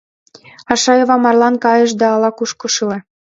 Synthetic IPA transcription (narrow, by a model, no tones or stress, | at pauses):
ɑʃɑjoβɑmɑrlɑnkɑjɤ̆ʃ̬d̪ɑːlɑkuʃkoʃɯle